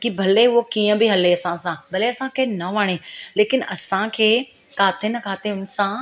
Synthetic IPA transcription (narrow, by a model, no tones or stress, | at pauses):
kibʱɐleɦuokiːə̃bʱiɦɐleɐsãsãbʱɐleɐsãkʰeːnɐʋaːɽ̃eleːkɪnʔɐsãkʰeː | kaːt̪ʰenɐkaːt̪ʰeʊnsã